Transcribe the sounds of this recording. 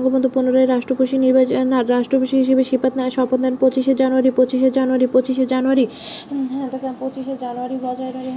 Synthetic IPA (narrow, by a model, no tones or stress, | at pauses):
ŋɡobɔnd̪ʱopunoɾaeɾaʃʈɾopoʃiniɾbanaɾɾaʃʈɾopoʃiɦiʃ̬ebeʃipat̪naeʃɔpot̪d̪anpot͡ɕiʃed͡ʑanuaɾipot͡ɕiʃed͡ʑanuaɾipot͡ɕiʃ̬ed͡ʑanuaɾi | d̪ɛkapot͡ɕiʃed͡ʑanuaɾibɔd͡ʑaeɾaɾi